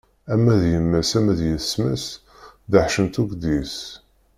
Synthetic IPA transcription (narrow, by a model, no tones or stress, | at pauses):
æmːæðjəmːæsæmæðjəsmæs | ðəħʃənt̪uɡd̪is